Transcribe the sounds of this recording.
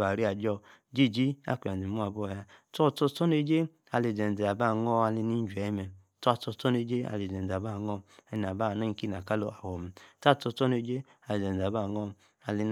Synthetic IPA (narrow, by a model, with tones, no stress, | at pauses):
ba˨ɾi˦a˨d͡ʒɔ˧ | d͡ʒi˦˨d͡ʒi˦a̰˦˨kʷi˨a˨i˨mu˦a˨bɔ˦˨ja˧tɔ˦˨tɔ˧tɔ˦ne˧d͡ʒe˦ | a˧le˧˨d͡zɛ˨n˨d͡zɛ˨a˨ba˦˨ŋɔ˦a˧li˧ni˦n̩˦d͡ʒu˨ɛ˨˦mɛ˨ | tɔ˦a˧tɔ˧˦ɔ˦ne˧˦d͡ʒe˦a̰˧˨le˨d͡zɛ˨n˨d͡za˨ba˦˨ŋɔ˧ɛ˧n˨a˨ba˦˨nɔ˦ŋ̩˦ki˦n˨a˨ka˦lo˧˦a˨wɔ˨mɛ˨ta˦˨tɔ˧tɔ˦ne˧˦d͡ʒe˦ | a˧le˨d͡ʒɛ˨n˨a˨ba˦˨ŋɔ˦ | a˧li˧n